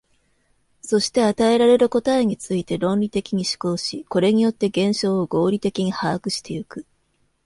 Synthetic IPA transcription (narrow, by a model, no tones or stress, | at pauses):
so̞ɕi̥t̪e̞at̪ae̞ɾaɾe̞ɾɯ̟ko̞t̪aeɲ̟it͡sɨit̪e̞ɾõ̞nʲɾʲit̪e̞kʲiɲ̟iɕi̥ko̞ːɕiko̞ɾe̞ɲ̟ijo̞t̪ːe̞ɡẽ̞ɰ̃ɕo̞ːoɡo̞ːɾʲit̪e̞kʲiɲ̟ihaːkɯ̟ɕi̥t̪e̞jɯkɯ̟